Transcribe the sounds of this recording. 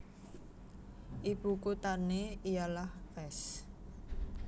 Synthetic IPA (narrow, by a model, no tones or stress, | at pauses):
ʔibukut̪aneijalahpɛs